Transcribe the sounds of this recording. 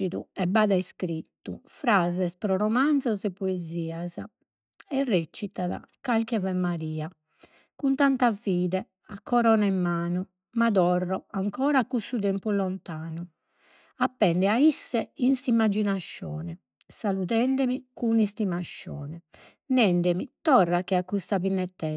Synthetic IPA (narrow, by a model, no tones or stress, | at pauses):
iðuɛbaːðaiskɾit̪ːufɾaːzɛspɾɔɾɔmand̪zɔzɛpːoeziːaza | ɛrːet͡ʃːit̪aða̰kalkɛvɛmːaɾiːa | kunt̪ant̪aviːðɛ | akʰːɔɾɔːnaɛmːaːnu | mad̪ɔrːɔaŋkɔːɾakusːut̪ɛmpulɔnt̪aːnu | apːɛɳɖɛaisːɛinsimːad͡ʒinaʃːɔ̰ːnɛ | saluðɛɳɖɛmikunist̪imaʃːɔ̰ːnɛ | nɛɳɖɛmit̪ɔrːakɛakːust̪apinːɛt̪ːɛ